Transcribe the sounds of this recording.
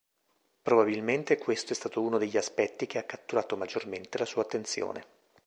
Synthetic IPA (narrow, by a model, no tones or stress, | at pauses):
pɾobabilment̪ekwest̪oɛst̪aːt̪ouːnod̪eʎːiaspɛt̪ːik̟eakːat̪ːuɾaːt̪omad͡ʒːorment̪elasuːat̪ːent̪sjo̰ːnḛ